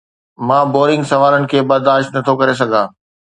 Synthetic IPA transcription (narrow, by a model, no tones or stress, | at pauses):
mãːboːɾɪ̃ŋɡsɐʋaːlənɪ̆kʰeːbɐɾd̪aːʃt̪nɐt̪ʰokɐɾes̬ɐɡʱãː